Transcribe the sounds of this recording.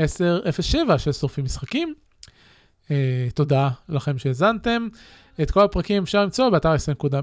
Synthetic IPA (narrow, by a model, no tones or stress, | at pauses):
eseʁefesʃevaʃesoʁfimisχakim | et̪o̞dalaχe̞mʃeːzant̪e̞m | et̪ko̞lapʁakimefʃaʁlimt͡so̞beataʁesenkud̪am